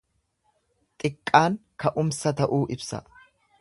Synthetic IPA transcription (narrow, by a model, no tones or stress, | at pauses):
t̪ʼɪkʼːaːŋkɐʔʊmsɐt̪ɐʔuːʔɪbsɐ̰